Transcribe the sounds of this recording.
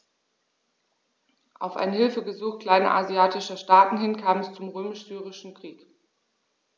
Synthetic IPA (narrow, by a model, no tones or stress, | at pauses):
ʔa̰ʊfʔa̰ɪnhɪlfəɡəzuːxkl̥aɪnʔa̰ziaːtɪʃɐʃtaːtn̩hɪnkʰaːmɛst͡sʊmʁøːmɪʃz̥yːʁ̞ɪʃn̩kʁ̥iːk